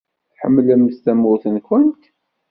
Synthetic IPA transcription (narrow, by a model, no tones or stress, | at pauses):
ħəmːlæməst̪æmːʊθənkʷənt̪